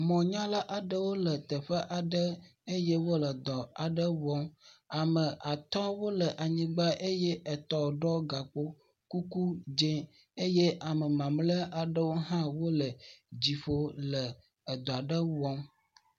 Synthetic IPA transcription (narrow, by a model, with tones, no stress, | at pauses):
mɔ̃˨ɲã˦la˦ʔa˨ɖə˦wo˦lə˨t̪ə˨ɸə˦ʔa˨ɖə˦e˦je˦wo˦lə˨d̪ɔ˨a˨ɖə˦wɔ˦ma˨mə̃˨ʔa˨t̪ɔ˦wo˦lə˨ʔa˨ɲĩ˦ɡ͡ba˦ʔe˦jɛ˦ʔɛ˨t̪ɔ˨ɖɔ˦ɡa˨k͡po˦ | ku˦ku˦d͡ʒe˦ | e˦je˦ʔa˨mə˨mã˨mlə˦ʔa˨ɖə˦wo˦ɦã˦wo˦lə˨d͡ʑi˨ɸo˦lə˨ | d̪ɔ˨a˨ɖə˦wɔ˦m